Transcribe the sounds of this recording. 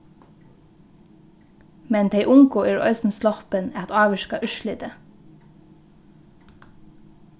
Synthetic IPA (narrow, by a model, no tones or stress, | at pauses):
mɛnd̪ʰeɪʔʊŋɡoːʔeːɹœ̰ʏsn̩slɔhpənæt̪ɑːʋəʃkɑʔʏʃlɪd̪ə